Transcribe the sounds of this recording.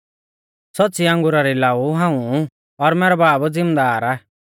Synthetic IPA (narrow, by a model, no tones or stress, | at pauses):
sɔtːt͡siãŋɡʊɾaɾilaːuɦãːũ | ɔɾmɛːɾɛbaːbd͡zɪmd̪aːɾa